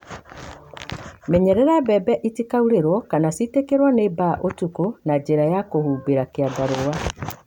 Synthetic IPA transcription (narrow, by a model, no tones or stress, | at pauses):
mɛɲɛɾɛɾabɛbɛʔitikauɾeɾwɔkanasitekeɾwanebaʔotukonad͡ʒeɾajakohuːbeɾakeaɡaɾowa